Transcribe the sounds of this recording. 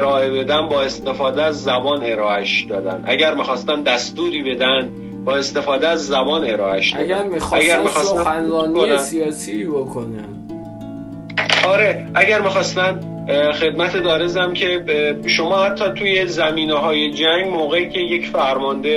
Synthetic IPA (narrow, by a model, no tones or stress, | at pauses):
ɾɒːe̞be̞d̪ænbɒːe̞st̪e̞fɒːd̪eæzːæbɒːne̞ɾɒːʔæʃd̪ɒːd̪æ̰nd̪ʔæ̰ɟæɾmixɒːst̪ænd̪æst̪uːɾiːbe̞d̪ænd̪ | bɒːe̞st̪e̞fɒːd̪eæzːæbɒːne̞ɾɒːʔæʃd̪ɾmixæɡæɾmixɒːst̪æænɒnæsiɒːsibokʰonæ̥ | ʔɒːɾe̞ʔæɟæɾmixɒːst̪ænd | xe̞d̪̚mæt̪ʰed̪ɒːɾezæmcʰe̞ʃomɒːhæt̪ʰːɒːt̪ʰuːje̞zæmiːneɦɒːje̞d͡ʒæŋɟmoːɣeicʰʲe̞je̞cfæɾmɒnd̪e